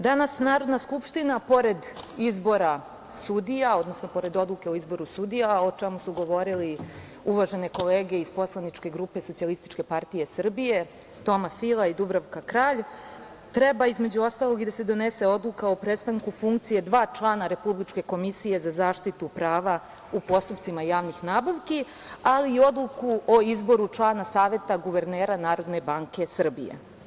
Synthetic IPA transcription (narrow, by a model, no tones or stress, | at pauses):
d̪anasnaːɾo̞d̪naskupʃt̪inapo̞ɾe̞d̪izbo̞ɾa | sud̪ijao̞d̪nosnopo̞ɾe̞d̪o̞d̪lˠuke̞oizbo̞ɾusud̪ijao̞t͡ʃemusuɡo̞ʋo̞ɾili | uʋaʒe̞ne̞ko̞leːɡe̞izpo̞slˠanit͡ʃke̞ɡɾupe̞so̞t̪ialist̪i̥t͡ʃke̞paɾt̪ije̞sr̩bije̞ | t̪o̞mafilˠaid̪ubɾaʋkakɾaːʎ | t̪ɾe̞baizme̞d͡ʑuo̞st̪alˠo̞ɡid̪ase̞d̪o̞ne̞se̞o̞d̪lˠukao̞pɾet̪st̪aŋkufuŋkt̪sije̞d̪ʋaːt͡ʃlˠaːnaɾe̞publit͡ʃke̞ko̞misije̞zazaːʃt̪it̪upɾaːʋa | upo̞st̪up̪simajaːʋnixnaːbaʋki | aliːo̞d̪lˠukuoizbo̞ɾut͡ʃlˠaːnasaːʋe̞t̪aɡuʋe̞ɾneːɾanaːɾo̞d̪ne̞baŋke̞sr̩bḭjḛ